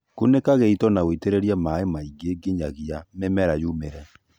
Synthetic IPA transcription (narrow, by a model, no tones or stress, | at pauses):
konekaɣeitɔnaɣoiteɾeɾiamaemaiɡeɡeɲaɣiamemɛɾajumeɾɛ